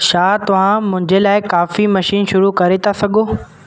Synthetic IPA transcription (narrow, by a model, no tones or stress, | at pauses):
ʃaːt̪ɐʋ̤ãmʊ̃ɦɪ̃ɲd͡ʑelaːɪkaːfimɐʃiːnʃʊɾukɐɾet̪ʰasɐɠʱoː